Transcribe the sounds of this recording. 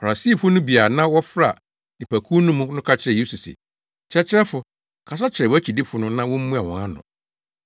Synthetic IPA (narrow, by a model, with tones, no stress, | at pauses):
fa˨ɾa˨si˦˨fʊ˦nʊ̃˦bi˨a˨nã˦wɔ˦fɾa˦˨ | nĩ˨pʰæ˨kʰu˦nũ˦mũ˦nʊ̃˦kʰa˦t͡ɕʰɪ˦ɾɛ˨je˦su˨sɪ̰˨ | t͡ɕʰɪ˦ɛ˦t͡ɕʰɪ˦ɛ˦fʊ˨ | kʰa˨s̬a˦t͡ɕʰɪ˨ɾɛ˨wæ˦t͡ɕʰi˨di˦fʊ˨nʊ̃˦nã˦wɔ̃˦m̩˦mũ˦a˨wɔ̰̃˨ŋã˦nʊ̰̃˨